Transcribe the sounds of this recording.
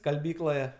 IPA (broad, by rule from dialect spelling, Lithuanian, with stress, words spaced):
skɐlʲˈbʲiːklˠoːjɛ